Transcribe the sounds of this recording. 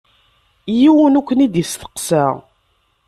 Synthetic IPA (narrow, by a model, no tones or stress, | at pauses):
jiwənukʷːənid̪jəst̪ə̥qsæʁ